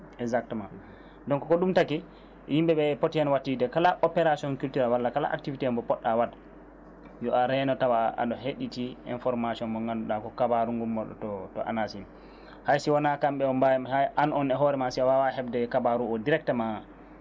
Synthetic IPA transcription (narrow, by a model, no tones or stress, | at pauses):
ɛzak̚tɛman | dɔŋkɔkɔɗumtaki | himbɛɓɛpotianwatːidɛkalaʔɔpɛɾasiɔnkultuɾalwalːakala̰ʔa̰k̚tivitɛmbɔpɔɗːawad | jɔʔaɾɛnɔtawaa̰ɗɔheɗitiɛ̰nfɔɾmasiɔnbɔŋɡanduɗakɔkabaɾuŋɡumːɔɗɔ̰tɔtɔ̰ʔa̰nasin | hajsiwanakamɓɛɔmbaaʔanɔnɛɦɔɾɛmasiawawaɦɛbdɛkabaɾuɔdiɾɛk̚tɛma